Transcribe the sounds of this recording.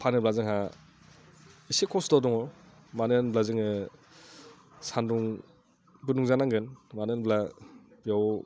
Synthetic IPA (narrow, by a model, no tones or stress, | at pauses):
pʰanɯblazɯŋɦa | isekʰɔsdɔdɔŋɔ | manɯnblazɯŋɯ | sanduŋ | bɯnuŋzanaŋɡɯnmanɯnblabijaw